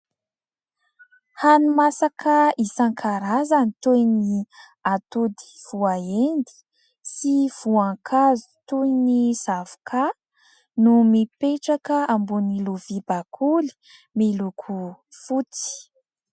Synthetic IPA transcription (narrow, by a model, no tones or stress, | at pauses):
hanumasakəisaŋkʰaɾazanit̪ujni | at̪ud̪i̥v̥uaend̪i̥ | siv̥uaŋkʰazu̥t̪ujniz̥avu̥kʰa | numipeʈ͡ʂakəambuniluvibakʰuli̥ | milukʰufut͡si̥